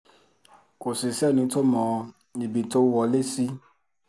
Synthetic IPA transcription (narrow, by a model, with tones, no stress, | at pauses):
ko˨si˨sɛ˦˨nĩ˧to˦mɔ̃˧˨˧ | i˨bi˨to˧˦wɔ˧˨le˦si˦